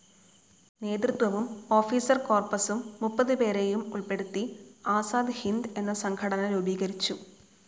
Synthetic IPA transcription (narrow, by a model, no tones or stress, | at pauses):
ne̞ːd̪rɨt̪wɐʋumo̞ːfiːsɐrko̞ːrpɐsumːupːɐðɨpe̞ːɾejumuɭpe̞ɽut̪ːiaːsaːd̪hind̪e̞nːɐsɐŋkʰɐɽɐnɐlobiːɣɐɾit͡ɕːu